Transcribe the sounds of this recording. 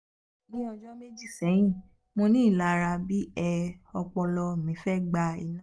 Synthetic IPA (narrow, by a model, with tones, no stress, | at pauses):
nĩ˦ɔ̃˧d͡ʒɔ˦me˦d͡ʒi˦˨sɛ˨˦j̃ĩ˦˨ | mõ˧nĩ˦˨la˦˧ɾa˧bi˦ɛ˧ɔ˧k͡pɔ˧lɔ˧˨mĩ˨˦fɛ˦ɡ͡ba˧i˧nã˦